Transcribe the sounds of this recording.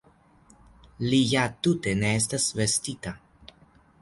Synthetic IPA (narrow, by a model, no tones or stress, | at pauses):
lijat̪ute̞ne̞es̬tasve̞st̪ita